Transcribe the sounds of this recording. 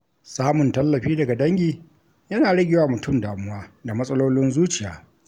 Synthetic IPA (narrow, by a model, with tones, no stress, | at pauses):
saː˦mʊ˨ntɐ˦lːɐ˨ɸiː˦dɐ˨ɡa˨dɐ˦ŋɡʲiː˨ | jɐ˦naː˨ɽɐ˦ɡʲɪ˨waː˨mʊ˨tʊ˦mdaː˨mʊ˦waː˦da˨mɐ˦sʼɐ˦loː˦lɪ˦nzuː˦t͡ʃɪ˨jaː˨